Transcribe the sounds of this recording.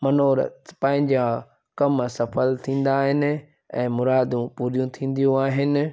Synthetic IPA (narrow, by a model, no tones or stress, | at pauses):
mɐnoːɾ̰pɐ̃ːɦɪ̃ɲd͡ʑã | kɐmsɐfəlt̪ʰĩːn̆d̪aːɦɪnɪ̆ | ɛ̃ːmʊɾaːd̪ũpuːɾijũt̪ʰĩːn̆d̪ijũaːɦɪnɪ̆